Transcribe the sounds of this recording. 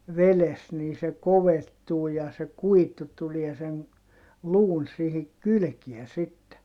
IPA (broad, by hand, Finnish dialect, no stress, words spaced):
ʋeles niː se koʋetːuː jɑ se kuitu tulie sen luːn sihik kylkiɛ sitːe